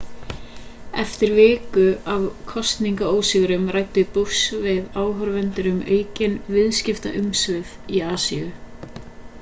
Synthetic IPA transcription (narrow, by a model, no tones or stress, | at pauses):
ɛft̪ɪɾvɪːkʏavkʰɔst̪niŋkaoːwsɪɣɾʏmrajt̪ʏpusvɪðaːwɦœɾvɛnt̪ʏɾʏmeːɥcɪnvɪðscɪft̪a̰ʔʏmsvɪðiaːsiʏ